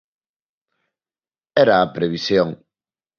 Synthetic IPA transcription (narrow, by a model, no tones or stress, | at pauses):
ɛɾaːpɾeβisjoŋ